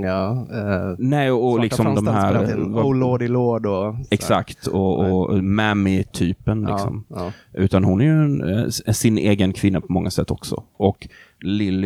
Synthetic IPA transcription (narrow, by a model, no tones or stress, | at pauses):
nɛːɔlɪksɔmd̪ɔmɦæːɾloːd̪ɪloːd̪ɔɛksa̰kt̪ɔːmæmɪt̪ʰyːpənlɪ̰ksɔ̰mʔʉ̟ːt̪anhʊnːæɾjɵnsɪneːɡənkʰvɪnːapʰɔmɔŋːasɛt̪ʰːɔksɔ̰ʔɔk | lɪlː